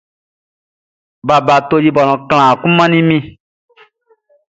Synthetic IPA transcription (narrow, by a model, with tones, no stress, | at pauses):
ba˨ba˨t̪o˦ji˦bɔ˨nɔ̃˨kl̃ã˨kũ˦mã˦nĩ˦mĩ˦